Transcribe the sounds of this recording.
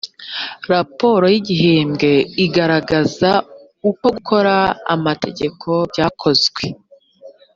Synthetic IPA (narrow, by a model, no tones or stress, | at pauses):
ɾapo̞ːɾo̞jiɟiɦeːmɡe̞iɡaɾaɡaza | uko̞ɡukʰo̞ɾa̰ːmatʰe̞̰ɟe̞kʰo̞bɟaːkʰo̞zɡwe̞